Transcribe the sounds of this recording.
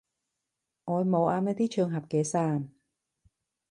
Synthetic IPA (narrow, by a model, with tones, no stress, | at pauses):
ŋɔː˨˧jmo˨˧wʔaː˧mɐ˧˥t̪iː˥t͡ʃʰœː˧ŋɦɐ˨p̚kɛː˨˧saː˥˩n